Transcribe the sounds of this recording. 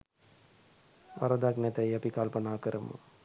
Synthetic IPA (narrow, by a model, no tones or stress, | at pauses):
ʋɐ̰ɾɐd̪aknɛt̪ɐjɐpikalpɐnaːkəɾɐmṵ